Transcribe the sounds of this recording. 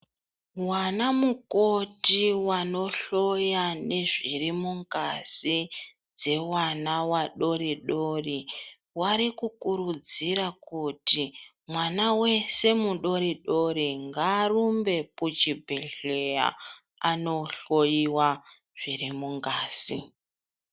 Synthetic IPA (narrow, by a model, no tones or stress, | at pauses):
wanamuko̞tiwano̞ɬo̞jane̞ʐirimuŋɡasi | d͡ze̞wanawaɗo̞ɾiɗori | waɾikukuɾud͡ziɾakuti | mwanawe̞se̞muɗo̞ɾiɗo̞ɾiŋɡaːrumbe̞put͡ʃibʱeɬeja̰ | a̰no̞ɬo̞jiwa | ʐ̥irimuŋɡaːsi